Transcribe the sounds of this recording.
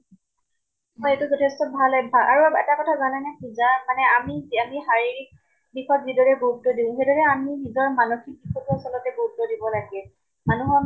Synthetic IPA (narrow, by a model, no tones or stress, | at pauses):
mɔjetʊzɔtʰɛstɔbʱalɛbʱaʔaɹuɛtakɔtʰazanɛnɛkuzamanɛamiamiɦaɹiɹ | bixɔk̚bidɔɹɛboɦutːɔdiʊ̃ɦedɔɹɛaminizɔɹmanoxik̚bixɔtiasɔlɔtɛboɦutːɔdibɔlaɡɛ | manuɦɔ